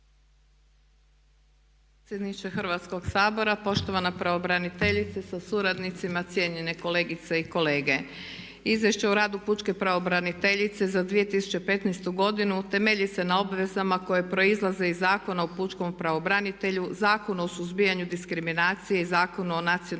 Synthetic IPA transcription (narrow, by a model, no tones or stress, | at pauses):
p | et̪sjed̪nit͡ʃexɨr̩ʋat̪sko̞ɡsaːbo̞ɾapo̞ʃt̪o̞ʋanapɾaʋobɾanit̪e̞ʎit̪sesasuɾad̪nit̪simat̪sʲje̞ɲe̞ne̞ko̞le̞ːɡit̪seiko̞le̞ːɡe̞ | izʋje̞ʃt͡ɕeuɾaːd̪uput͡ʃke̞pɾaʋo̞bɾanit̪e̞ʎit̪se̞zad̪ʋije̞t̪isu̥t͡ɕe̞pe̞t̪nɛjst̪uɡo̞d̪inut̪e̞meʎise̞nao̞bʋe̞zamako̞je̞pɾo̞izlˠaze̞izːaːko̞nauput͡ʃko̞mpɾaʋo̞bɾanit̪e̞ʎuzaːko̞nuo̞suzbijaɲud̪iskɾiminaːt̪sije̞izaːko̞nuonat̪sio